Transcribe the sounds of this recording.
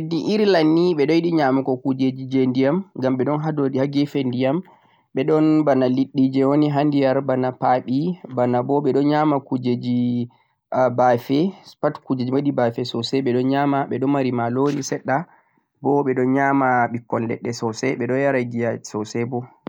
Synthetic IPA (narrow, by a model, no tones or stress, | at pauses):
diʔiɾlanːiɓɛɗɔjiɗiɲamakɔkud͡ʒed͡ʒid͡ʒendijamɡamɓɛɗɔnɦadoihaɡɛfɛndijam | ɓɛɗɔnbanaliɗːid͡ʒɛwoniɦandijaɾbanapaɓibanabɔɓɛɗɔnɲamakud͡ʒed͡ʒi | bafɛpatkud͡ʒed͡ʒimwaɗibafɛsɔsɛɓɛɗɔnɲamaɓɛɗɔnmaɾimaloɾisɛɗːa | bɔɓɛɗɔnɲamaɓikːɔnlɛ̰ɗːɛsɔsɛɓɛɗɔnjaɾad͡ʒijasɔsɛbɔ